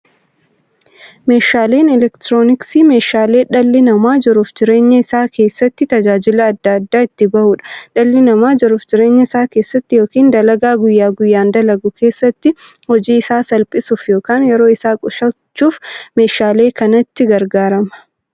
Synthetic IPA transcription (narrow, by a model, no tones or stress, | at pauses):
me̞ːʃaːle̞ːnɛlɛkt̪ɾo̞ːnɪksiːme̞ːʃaːle̞ːᶑɐlːɪnɐmaːd͡ʒɪɾʊfd͡ʒɪɾe̞ːɲːɐɪsaːkʰe̞ːsːɐt̪ːɪt̪ɐd͡ʒaːd͡ʒɪlɐːd̪ːɐd̪ːaːɪt̪ːɪbɐʔuːᶑɐ̥ᶑɐlːɪnɐmaːd͡ʒɪɾʊfd͡ʒɪɾe̞ːɲːɐɪsaːke̞ːsːɐt̪ːɪjoːkiːnd̪ɐlɐɡaːɡʊjːaːɡʊjːaːnd̪ɐlɐɡʊkʰe̞ːsːɐt̪ːɪ | hɔd͡ʒiːɪsaːsɐlpʼɪsʊfjo̞ːkaːnjɛɾo̞ːɪsaːkʼʊʃɐt͡ʃːuːfme̞ːʃaːle̞ːkɐnɐt̪ːɪɡɐɾɡaːɾɐmɐ̥